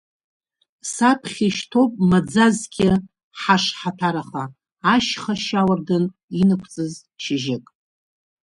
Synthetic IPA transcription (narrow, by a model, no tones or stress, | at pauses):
sapʰχʲiʃtʰo̞pʼmad͡zazɡʲɪ | ħaʂħatʰaɾaχa | aʃχaʃawarɡɨn | inɨkʷʰt͡sʼɨz | ʃɪʒɪkʼ